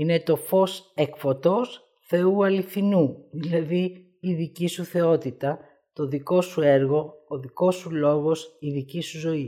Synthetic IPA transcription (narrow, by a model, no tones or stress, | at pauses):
inet̪o̞fo̞sekfo̞t̪o̞s | θe̞uɐliθinuðilɐðiː | ðicisuθe̞o̞t̪it̪ɐ | t̪o̞ðiko̞sueɾɣo̞ːðiko̞sulo̞ɣo̞siðicisuzo̞i